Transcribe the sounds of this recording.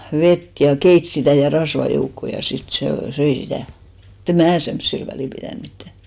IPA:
ʋet jɑ keit sitæˑ jɑ rɑsʋɑ joukːoˑ jɑ sit seˑ søi sitæˑ mut em mæː semsːil ʋæliˑ pitæˑn mitːæ

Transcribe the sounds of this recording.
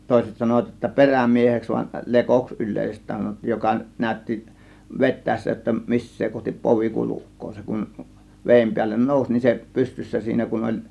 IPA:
toˑe̝set sɑnoʋɑt j̆otːɑ peræmieheks ʋɑn lekoks ylˑeˑisestˑæːn sɑnotːiːj jokɑ næˑø̝tːi ʋetˑæˑesːæ jotːɑ misːeː kohtip poʋi kulukˑoː se kun ʋeːm piælːen noˑusʲ nin se pystysːæ siːnæ kun olʲ

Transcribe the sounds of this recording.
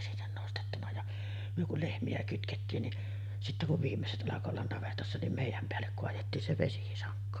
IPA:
sinːen nostetːunɑ jɑ myø kul lehmiæ kytketːiːn ni sitːæ kuʋ ʋiːmːeset ʔɑlɑko olːɑn nɑʋetɑsːɑ nim meˑijˑæm peælːek koɑjetːiːn se ʋesisɑŋkːo

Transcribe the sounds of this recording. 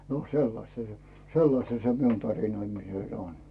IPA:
no selːɑstɑ se selːɑstɑ se miun tɑrinoimiset on

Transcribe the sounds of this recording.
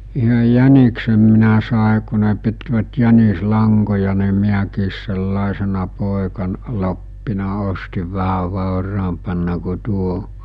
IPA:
yhøj jæniksem minæ sɑˑe ku ne pitʋæt jænislɑŋkojɑ ni miækiːs selːɑˑesenɑ poˑekɑn lopːinɑ ostiʋ ʋæhæʋ̆ ʋɑˑorɑːmpɑnːɑ ku tuo

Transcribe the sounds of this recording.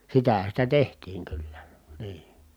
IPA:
sitæhæ sitæ tehtiːŋ kylːæ niː

